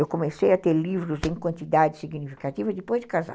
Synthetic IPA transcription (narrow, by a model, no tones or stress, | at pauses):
ewkomesejɐt̪eɾlivɾʊzẽj̃kwɐ̃nt̪id̪ad͡ʒɪsiɡnifi̥kat͡ʃ̪ivɐd̪ɪpojzd͡ʒɪkaza̰